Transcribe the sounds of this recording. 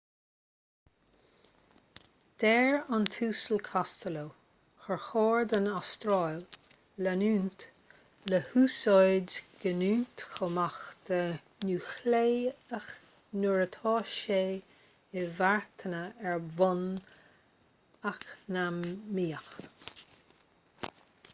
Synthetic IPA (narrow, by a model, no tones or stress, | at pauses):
d̪̥ɛɹant̪ʰuːsəlkʰast̪əlo | xəɹxɔːɹd̪ənast̪ɾɔjl | lənuːnt̪ | ləhuːsojdɡ̥ənuːnt̪xomaxd̪̥ə | nuːxleːax | nuɹət̪ʰɔːʃeː | ɪvaɹt̪ʰənəɛɹvɔn | aknamːiːəx